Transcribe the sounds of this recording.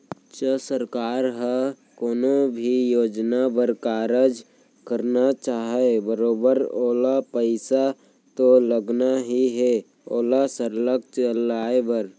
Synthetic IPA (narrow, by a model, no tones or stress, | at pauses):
t͡ʃəsəɾkaːɾɦə | koːnobʱijoːd͡ʒnabəɾkaːɾəd͡ʒ | kəɾnat͡ʃaːɦebəɾoːbəɾoːlapəɪsa | t̪oləɡnaɦiɦɛ | oːlasəɾləkt͡ʃəlaːebəɾ